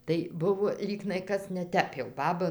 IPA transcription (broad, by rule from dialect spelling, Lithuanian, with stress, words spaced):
tɐɪ ˈbʊʋoː ˈlʲiːɡnɐɪ ˈkɐs nʲɛˈtʲɛp jɛʊ ˈbɑːbɐ